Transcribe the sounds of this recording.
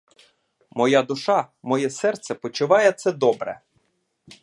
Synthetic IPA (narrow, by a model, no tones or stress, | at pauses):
mɔjad̪ʊʃɑmɔjɛsɛrt̪sɛpɔt͡ʃʊʋɑjɛt̪sɛd̪ɔbɾɛ̰